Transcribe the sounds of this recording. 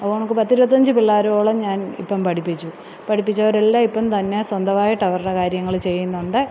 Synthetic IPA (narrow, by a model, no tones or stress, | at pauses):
ɐpːoɐɳokːɨpɐt̪ːiɾubɐt̪ːɐɲd͡ʑɨpilːaːɾɐoːɭɐmɲaːnḭpːɐmpɐʈʰipːit͡ɕːu | pɐʈʰipːit͡ɕːɐoɾelːaipːɐmt̪ɐnːe̞swɐnd̪ʱɐʋaːjiʈːɐʋɐrɽɐkaːɾjɐŋːɐɭt͡ɕe̞jːunːuɳɖɨ